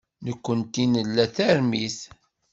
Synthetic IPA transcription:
nəkʷːənt̪inəlːæθæɾmiθ

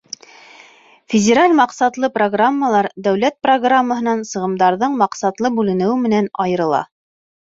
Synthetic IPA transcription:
fʲɪdʲeɾalʲmɑqsɑt̪lˠɤproɡramːəlˠɑɾd̪æwlæt̪̚proɡramːəɦɤ̆nɑnsɤ̆ʁɤ̆md̪ɑɾðɤɴmɑqsɑt̪lˠɤbʉlɘ̆nɘ̆wɘmɘ̆nænɑjɤ̆ɾɤ̆lˠɑ̰

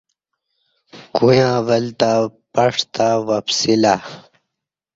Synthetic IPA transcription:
kujãːwɐlt̪apɐʂt̪awɐfsila

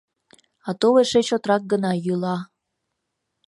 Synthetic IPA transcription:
ɑt̪oβeʃet͡ɕot̪ɾɑk̚ɡənɑjylɑ

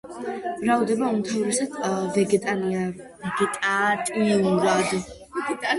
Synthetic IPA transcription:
mɾavd̪ɛbaunt̪ʰauɾisat̪ʰvɛɡɛt̪ʼania | ɛɡɛt̪ʼat̪ʼiuŋɡlad̪ | ɡt̪ʼa

